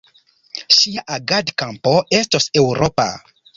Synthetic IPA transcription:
ʃiaʔaɡadkampo̞e̞stose̞wɾo̞pa̰

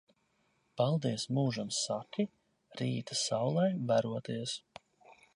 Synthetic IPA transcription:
palˠd̪iɛsmuːʒansːakʲi | ɾiːt̪asawlˠɛjvæɾuɔt̪iɛs

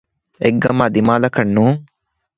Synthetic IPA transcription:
eɡːɐmad̪imaːlɐkɐnːuː

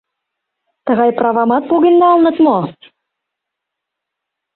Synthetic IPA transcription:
t̪ə̆ɣɑjprɑβɑmɑt̪̚poɣenːɑlnɤ̆t̪mo

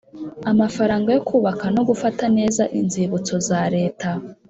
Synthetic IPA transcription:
amafaɾaːŋɡajo̞kʰuːβakano̞ɡufatane̞ːzaʔinziβut͡so̞zaɾe̞ːta

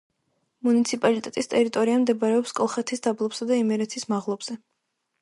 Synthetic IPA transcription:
munit̪sʰipʼalit̪ʼɛt̪ʼist̪ʼɛɾit̪ʼɔɾiamd̪ɛbaɾɛɔpskʼɔlˠχɛt̪ʰisd̪̥ablˠɔpsad̪aimɛɾɛt̪ʰismaʁlˠɔbz̥ɛ

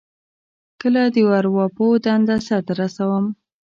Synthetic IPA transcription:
kəlad̪əwaɾwɑpod̪and̪asat̪aɾasawəm

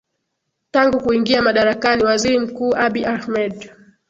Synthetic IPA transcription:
taŋɡukuiŋɡiamaɗaɾakaniwaziɾim̩kuːʔaɓiʔahmɛd

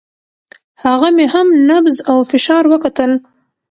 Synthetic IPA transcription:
haɣamehamnabzawfɪʃɑɾwəkat̪əl

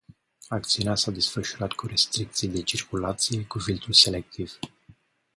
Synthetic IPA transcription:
ak̚t̪siuneasad̪e̞sfəʃuɾat̪kuɾe̞st̪ɾik̚t̪sijd̪e̞t͡ʃirkulat̪sijekufilt̪ulse̞le̞k̚t̪iv̥

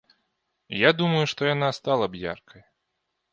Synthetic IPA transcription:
jad̪umɐjuʂt̪ɔjanast̪alˠɐbja̰rkʰɐj

